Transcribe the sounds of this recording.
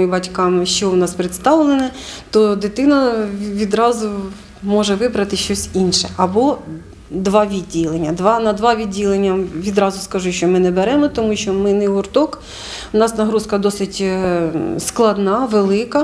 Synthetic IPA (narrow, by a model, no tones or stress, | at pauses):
ibɐtʲkɑmʃt͡ʃɔnɑspɾɪt̪st̪ɑʋlˠenɛt̪ɔd̪ɪt̪ɪnɐʋʲid̪ɾɑzʊ | mɔʒɛʋɪbɾɐt̪ɪʃt͡ʃɔsʲinʃɛɐbɔ | d̪ʋɑʋʲidʲːilˠenʲːɐd̪ʋɑnɐd̪ʋɑʋʲidʲːilˠenʲːɐʋʲid̪ɾɑzʊskɐʒuʃʲt͡ʃɔmɪnɛbeɾɛmɔt̪ɔmuʃt͡ʃɔmɪnɛɦʊrt̪ɔk | ʊnɑsnɐɦɾuskɐd̪ɔsɪtʲ | sklˠɐd̪nɑʋelˠɪkɐ